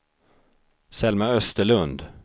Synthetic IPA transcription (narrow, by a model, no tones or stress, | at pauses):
sɛlmaœst̪əɭɵnd̪